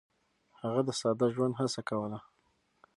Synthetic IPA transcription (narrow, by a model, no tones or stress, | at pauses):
haɣad̪əsɑd̪aʒwand̪ɦasakawəla